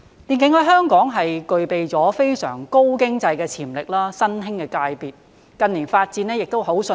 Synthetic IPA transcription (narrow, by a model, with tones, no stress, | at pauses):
liː˨nkɪ˨˥ŋhɵ˨˥ɦœː˥ŋkɔː˨˥ŋɦɐ˨jkɵ˨ɥpe˨jt͡sɔː˨˥fe˥jsœ̰ː˨˩ŋko˥wkɪ˥ŋt͡sɐ˧jkɛː˧t͡sʰiː˨˩mlɪ˨k̚laː˥sɐ˥nhɪ˥ŋkɛː˧kaː˧jpiː˨t̚ | kɐ˨˧nliː˨˩nfaː˧t̚t͡siː˨˧nɛ˥jɪ˨k̚t̪o˥wɦo˨˥wsɵ˧